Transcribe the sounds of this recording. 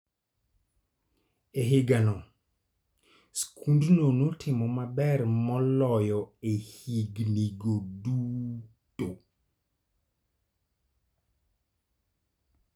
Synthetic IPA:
eɦɪɡanɔ | skʰundnonotʰɪmɔmabɛrmɔlɔjɔehiɡniɡodu | to

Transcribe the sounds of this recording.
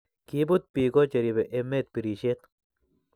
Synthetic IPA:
kibut̪̚piːkot͡ʃɐɾibeʔemːet̪̚piɾiʃet̪

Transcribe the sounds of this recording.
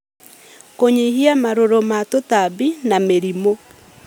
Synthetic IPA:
koɲihiamaɾoɾomatotabinameɾimo

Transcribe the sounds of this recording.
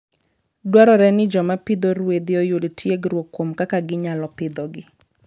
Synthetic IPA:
dwaɾɔɾɛnɪd͡ʒɔmapɪd̪oɾwed̪ɪɔjodtʰjeɡɾwokːomkakaɡɪɲalɔpɪd̪ɔɡɪ

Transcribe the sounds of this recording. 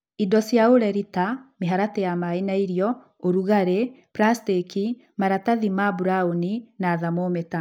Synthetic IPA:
idɔsjaoɾɛɾitameɦaɾatɛjamainaiɾjɔ | oɾuɣaɾe | pɾasteki | maɾataðimabuɾaoninaðamometa

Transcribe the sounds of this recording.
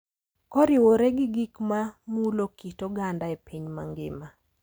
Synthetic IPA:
kɔɾɪwoɾɛɡɪɡikmamuulokitoɡandaepiɲma̰ŋɡɪ̰ma

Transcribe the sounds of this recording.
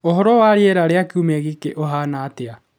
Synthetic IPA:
oɦɔɾɔwaːɾeeɾaɾeakeumɛɣikeʔoɦanaːtea

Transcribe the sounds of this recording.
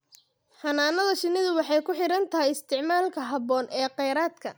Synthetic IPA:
ħɐnaːnɐðɐʃɪnɪðʊwɑħɑjkʰʊħɪɾɐnt̪ʰɐɦɛjɪst̪ʰɪʕmaːlkʰɐɦɐβɔːnʔɛːqɛjɾaːd̪kʰɐ̰

